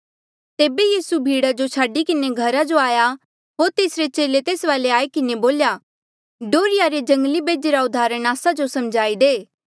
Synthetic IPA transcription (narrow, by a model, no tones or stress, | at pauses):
t̪eːbejiːsubʱiːɽad͡ʒot͡ʃʰaːɖikɪneɡʱɐɾad͡ʒoaːja | ɦoːɾt̪eːsɾet͡ʃeːlet̪eːsʋaːleaːekɪneboːlja | ɖoːɾɪjaɾed͡ʒɐ̃ŋɡlibeːd͡ʒeːɾaʊd̪ʱaːɾəñaːsad͡ʒosɐmd͡ʒaːid̪eː